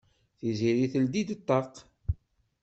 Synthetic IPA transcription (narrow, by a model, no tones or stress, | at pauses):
θiziɾiθəld̪id̪t̪ˤːɑq